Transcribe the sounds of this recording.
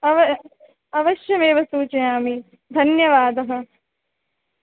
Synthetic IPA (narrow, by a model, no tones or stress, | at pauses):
ɐʋɐ | ɐʋɐʃjɐmeːʋɐsuːt͡ʃɐjaːmi | d̪ʱɐnjɐʋaːd̪ɐɦɐ̆